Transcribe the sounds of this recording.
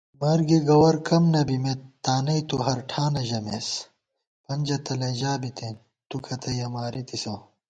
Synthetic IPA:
mɐɾɡiɡɐwɐɾkɐmnɐbimet̪ːaːnɐit̪uɦɐɾʈʰaːnɐʑɐmḛːs | pɐnʲd͡ʑɐt̪ɐlɐ̃ːʑaːbit̪ʰẽː | t̪ukʰɐt̪ʰɐjɐmaːɾit̪isoː

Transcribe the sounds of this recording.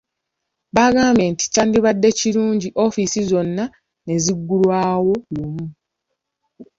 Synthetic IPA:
baːɡaːmbe̞nti̥caːndiβadːe̞ciɾuːɲɟiʔo̞ːfisizo̞nːa | ne̞ziɡːulwaːwo̞lumu

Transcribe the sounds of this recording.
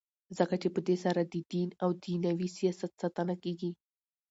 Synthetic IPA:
zəkat͡ʃepəd̪esaɾad̪əd̪inawd̪inawisijɑsat̪sat̪ənakeɡi

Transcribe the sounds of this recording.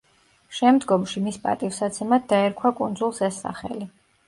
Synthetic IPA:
ʃɛmd̪ɡɔmʃimispʼa̰t̪ʼifsat̪sʰɛmad̪̚d̪aɛɾkʰwakʼund̪zulˠsɛsːa̰χɛ̰li

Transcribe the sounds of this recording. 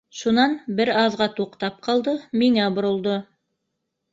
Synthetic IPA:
ʃunɑnbɘɾɑðʁɑt̪uqt̪ɑp̚qʰɑlˠd̪ɤmiŋæbŏɾŏlˠd̪o

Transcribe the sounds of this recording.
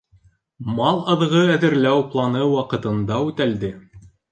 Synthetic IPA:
mɑlˠɑðʁɤæðɘ̆ɾlæwplˠɑnɤwɑqɤ̆t̪ɤ̆nd̪ɑʉt̪æld̪ɘ

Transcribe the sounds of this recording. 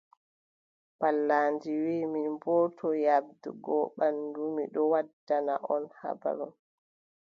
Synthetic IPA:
balːaːnd͡ʒiwiːminbɔːtʰɔjab̚dṵɡɔɓandumiɗɔwadːanaʔɔnha̰ba̰ɾun

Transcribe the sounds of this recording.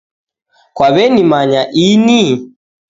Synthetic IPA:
kwaβɛnimaɲaʔini

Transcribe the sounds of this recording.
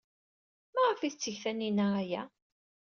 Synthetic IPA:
mæʁəfiθt͡sːəçθæninæʁæjæ

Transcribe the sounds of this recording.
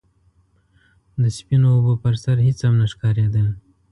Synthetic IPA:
d̪əspinoːbopəɾsaɾɦɪt͡shamnaʃkɑɾed̪ə

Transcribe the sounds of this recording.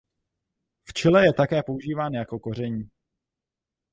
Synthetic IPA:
ft͡ʃɪlɛjɛt̪akɛːpo̞uʒiːvaːnjako̞ko̞r̝ɛɲiː

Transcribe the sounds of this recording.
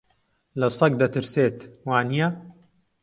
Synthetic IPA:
lasˤɑɡ̚d̪at̪ɪɾseːt̪waːnija

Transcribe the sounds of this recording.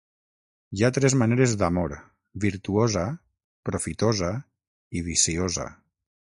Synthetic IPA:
jat̪ɾɛzmaneɾezd̪amoɾ | βiɾt̪uoza | pɾofit̪oza | iβisioza̰

